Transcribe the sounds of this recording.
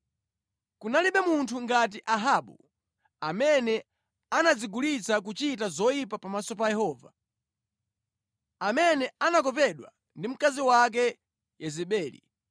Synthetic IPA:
kunaliɓɛmuntʰuŋɡat̬iʔaɦaːɓṵ | amɛnɛ | anad͡ziɡulit͡sak̬ut͡ʃitazɔjipapamasɔp̬ajɛhɔːva | amɛnɛanak̬ɔpɛɗwa̰ | ndim̩kaziwak̬ɛ | jɛzɛɓɛːlḭ

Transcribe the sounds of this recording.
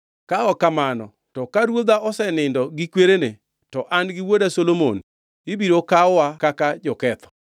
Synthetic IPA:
kaɔkamanɔ̰ | tɔkaɾwod̪aʔɔsɛnɪndɔɡɪkweɾenḛ | tɔʔanɡɪwodasolomo̰n | ɪbiɾokaɔwakakad͡ʒɔkɛt̪ʰɔ̥

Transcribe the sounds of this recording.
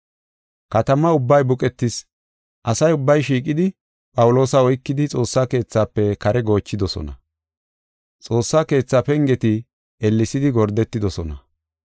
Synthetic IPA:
kɐt̪ɐmɐʊbːɐjbʊkʼɛt̪ːɪs | ʔɐsɐjʊbːɐjʃ̬iːkʼɪd̪ɪ | pʼɐwʊlo̞ːsɐɔjkːɪd̪ɪt͡sʼo̞ːsːaːke̞ːt͡sːaːpːɛkɐɾɛɡo̞ːt͡ʃːɪd̪ɔsɔ̰nɐ̰ | t͡sʼo̞ːsːaːke̞ːt͡sːaːpɛŋɡɛt̪ɪ | ɛlːɪsɪd̪ɪɡɔɾd̪ɛt̪ːɪd̪ɔsɔnɐ

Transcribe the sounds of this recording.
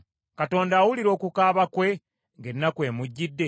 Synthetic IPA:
kato̞ːndaːwuliɾo̞ːkukaːβakwe̞ | ŋɡe̞nːakwe̞ːmuɟːidːe̞

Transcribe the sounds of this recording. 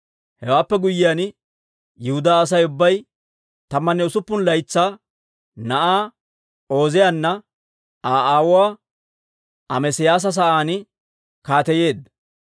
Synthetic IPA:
hɛwaːpːɛɡʊjːɪjaːn | jɪhʊd̪aːɐs̬ɐjʊbːɐj | t̪ɐmːɐnːɛʊsʊpːʊnlɐjt͡sːaː | nɐʔaː | o̞ːzɪjanːɐ | ʔaːʔaːwʊwaː | ɐmɛsɪjaːs̬ɐs̬ɐʔaːnɪ | kaːt̪ɛje̞ːd̪ɐ

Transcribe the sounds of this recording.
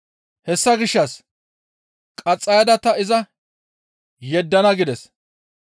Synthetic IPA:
hɛsːɐɡɪʃːɐs | kʼɐt͡sʼːɐjɐd̪ɐt̪ːɐɪzɐ | jɛd̪ːɐnɐɡɪd̪ɛs

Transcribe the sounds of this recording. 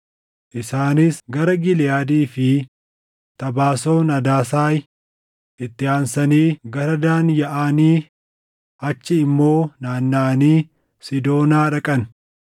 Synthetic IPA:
ʔɪsaːnɪsɡɐɾɐɡɪlɪjaːd̪iːfɪ | t̪ɐbaːso̞ːnɐd̪aːsaːj | ɪt̪ːɪaːnsɐniːɡɐɾɐd̪aːnjɐʔaːniː | ɐt͡ʃːɪɪmːo̞ːnaːnːaːniː | sɪd̪o̞ːnaːᶑɐkʼɐn

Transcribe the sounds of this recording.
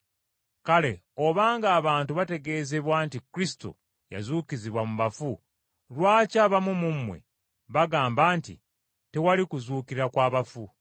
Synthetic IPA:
kale̞ | o̞βaːŋɡaːβaːntuβate̞ɡe̞ːze̞βwaːntikɾisi̥to̰ | ja̰zuːkiziβwamuβafu | lwaːcaβamumumːwe̞̰ | βaɡaːmbaːntḭ | te̞walikuzuːkiɾakwaːβafu

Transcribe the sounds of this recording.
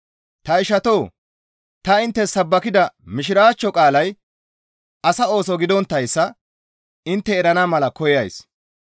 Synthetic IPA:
t̪ɐɪʃɐt̪o̞ː | t̪ɐɪnt̪ːɛsɐbːɐkɪd̪ɐmɪʃɪɾaːt͡ʃːɔkʼaːlɐj | ɐsɐo̞ːsɔɡɪd̪ɔnt̪ːɐjsːɐ | ɪnt̪ːɛːɾɐnamɐlɐkɔjɐjs

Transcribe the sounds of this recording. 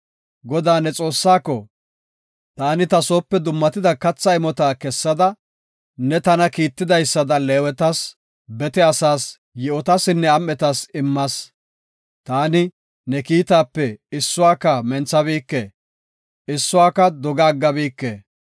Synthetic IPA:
ɡɔd̪aːnɛt͡sʼo̞ːsːaːkːɔ | t̪aːnɪt̪ɐsoːpːɛd̪ʊmːɐt̪ɪd̪ɐkɐt͡sːɐɪmɔt̪aːkɛsːɐd̪ɐ | nɛt̪ɐnɐkiːt̪ːɪd̪ɐjsːɐd̪ɐlɛːwɛt̪ɐs | bɛt̪ɛɐsaːs | jɛɔt̪ɐsɪnːɛɐmːɛt̪ɐsɪmːɐs | t̪aːnɪ | nɛkiːt̪aːpːɛɪsːʊwaːkːɐmɛnt͡sːɐβiːkːḛː | ɪsːʊwaːkːɐd̪ɔɡɐːɡːɐbiːkːeː

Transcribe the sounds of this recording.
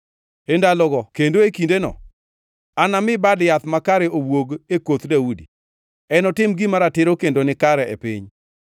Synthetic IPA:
endalɔɡɔkendoekindenɔ̰ | anamɪbadjat̪makaɾɛowwoɡekot̪dawudi | ɛnɔtɪmɡimaɾatɪɾokendonɪkaɾɛʔḛpɪ̰ɲ

